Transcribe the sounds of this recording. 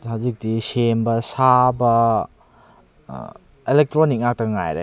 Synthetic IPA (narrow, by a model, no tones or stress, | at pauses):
hazik̚disembɐsabɐ | elek̚tɾonik̚ŋak̚tɐɡɐŋa̰jɾḛ